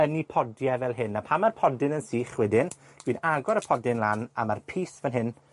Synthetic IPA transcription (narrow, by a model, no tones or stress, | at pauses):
ənipʰɔdjɛvɛlˠɦɨnːapʰamarpʰɔdɪnənsiːχwɛdɪn | d̥wiːnaɡɔɾəpʰɔdɪnlana̰marpʰiːsvɛnɦɪn